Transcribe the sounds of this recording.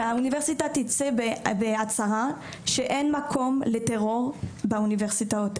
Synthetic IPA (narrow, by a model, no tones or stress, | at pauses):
auniveʁsitatit͡sebbeat͡saʁa | ʃeʔenmakʰo̞mleteʁo̞ʁbauniveʁsitaot